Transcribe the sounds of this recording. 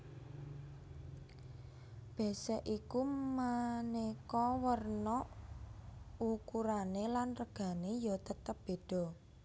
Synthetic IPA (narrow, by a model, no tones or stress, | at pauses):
b̥ɛ̤sɛʔikumənekɔwərnɔʔ | ukuɾanelanrəɡ̥a̤nejɔt̪ət̪əp̚b̥e̤ɖ̥ɔ̤